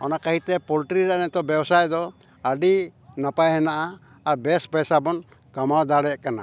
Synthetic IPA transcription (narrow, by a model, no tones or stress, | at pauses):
ɔ̰nakaɦit̪ɛpɔlʈɾiɾanɛt̪ɔbjɛbsajd̪ɔ | aɖinapajhɛnaʔaː | ɾbɛspɛsabɔn | kamawd̪aɽɛʔkana̰